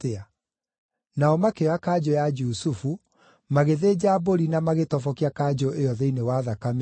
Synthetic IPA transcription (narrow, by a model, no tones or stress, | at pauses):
tea | naɔmakeakad͡ʑojad͡ʒusufu | maɣeðed͡ʑaːboɾinamaɣetɔfɔkiakad͡ʒoʔejɔðɛinewaðakame